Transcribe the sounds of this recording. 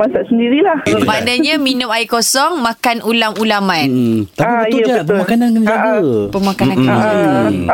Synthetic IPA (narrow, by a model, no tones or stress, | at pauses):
masaʔsəndiɾilahbadaɲaminʊ̃maikosɔŋmãkanʔulamulaman̩t̪apibəʊd͡ʒapəmakanankənəaɡəpəmakanankə